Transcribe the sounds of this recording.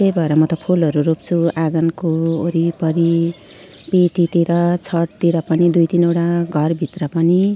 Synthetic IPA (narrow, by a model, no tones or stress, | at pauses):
ejbʱʌeɾʌmʌt̪ʌpʰulʌɾuɾop̚t͡sʰuaɡʌnkooɾipʌɾi | peʈit̪iɾʌt͡sʰʌʈt̪iɾʌpʌnid̪ujt̪inewɽaɡʱʌrbʱit̪rʌpʌni